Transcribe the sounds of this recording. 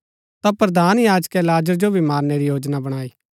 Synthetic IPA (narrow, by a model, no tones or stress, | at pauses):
t̪apɾɐd̪ʱaːnjaːd͡ʒkɛlaːd͡ʒəɾd͡ʒobʱimaːɾneɾijoːd͡ʒnabɐɽ̃aːi